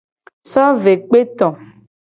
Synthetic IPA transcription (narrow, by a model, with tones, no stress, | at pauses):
sɔ˦ve˨k͡pe˦t̪ɔ̃˨